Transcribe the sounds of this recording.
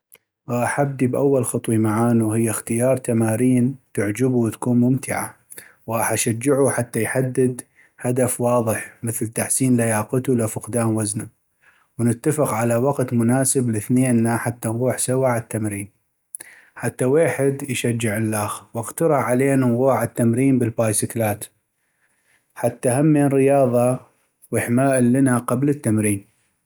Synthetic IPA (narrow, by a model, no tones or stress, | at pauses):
ʔaħab̚d̪ibʔawːalxɑt̪ˤwimaʕaːnuhɪjːaxt̪ɪjɑːɾˤt̪amaːɾiːnt̪ɪʕd͡ʒɪbut̪ḁkuːnmʊmt̪ʰɪʕa̰ | wʔaħʔaʃad͡ʒːɪʕuħat̪ːajħad̪ːɪd̪ | had̪afwɑːðˤɨħmɪθlt̪aħsiːnlajaːqɪt̪ulafɪqd̪aːmwazna | wnɪt̪ːafɪqʕalawaɡt̪mʊnaːsɪblɪθneːnːaħat̪ːanɣuːħsawaʕɪt̪ːamɾiːn | ħat̪ːaweːħɪd̪jʃad͡ʒːɪʕɪlːaːxwɪqt̪ɑɾˤʕaleːnɣuːʕɪt̪ːamɾiːnbɪlbaːjsɪklaːt̪ | ħat̪ːahamːeːnɾɪjɑːðˤɑ | wɪħmaːʔɪlːɪnaqablət̪ːamɾiːn